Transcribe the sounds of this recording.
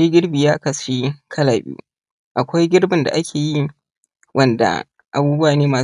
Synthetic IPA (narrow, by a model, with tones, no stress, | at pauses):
i˦ɡʲɪ˦ɽbiː˨jaː˦kɐ˨sʃiː˦kʰɐ˦laː˨bʲḭ˦ṵː˦ | ʔa˨kʷa˦jɡʲɪ˦ɽbɪ˨nda̰˨ʔa˦kʲʰeː˨ji˦ | wʔɐ˦nda̰˨ | ʔa˨buː˦bʊ˦waː˨neː˦maː˨